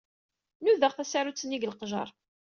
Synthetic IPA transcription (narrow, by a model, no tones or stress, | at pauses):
nuðəʁθæsaɾut͡sːənːiɡəlqʒə̰ɾˤ